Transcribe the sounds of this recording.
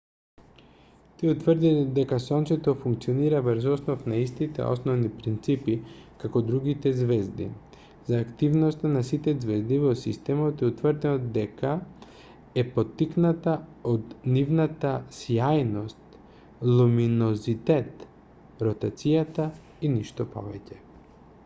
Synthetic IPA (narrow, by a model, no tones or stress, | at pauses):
t̪iut̪vɾd̪id̪ɛkasɔnt̪sɛt̪ofuŋk̚t̪sioniɾavəɾzɔsnofnaist̪it̪ɛ̰ɔ̰snɔvnipɾint̪sipikakod̪ɾuɡit̪ɛzvɛzd̪ḭ | zaːkt̪ivnost̪anasit̪ɛzvɛzd̪ivosḭst̪ɛmot̪iut̪vəɾd̪ɛd̪ɛka | ɛpot̪ːiknat̪aod̪nivnat̪asjajnost̪ | lˠuminozit̪ɛt̪ | ɾot̪at̪sijat̪a | iniʃt̪ɔpɔ̰vɛcɛ